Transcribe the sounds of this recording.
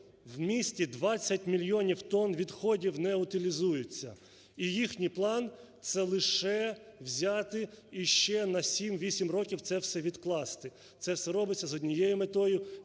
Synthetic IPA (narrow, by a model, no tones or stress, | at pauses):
wmʲisʲtʲid̪ʋɑt͡sʲːɐtʲmʲilʲjɔnʲiwt̪ɔnʋʲid̪xɔdʲiwnɛʊt̪ɪlʲizujʊt͡sʲːɐ | ijixnʲiplˠɑnt̪sɛlˠɪʃɛwzʲɑt̪ɪiʃt͡ʃɛnɐsʲimʋʲisʲimrɔkʲiwt̪sɛwsɛʋʲid̪klˠɑst̪ɪ | t̪sɛsɛɾɔbɪt͡sʲːɐzɔdʲnʲijɛjʊmet̪ɔjʊ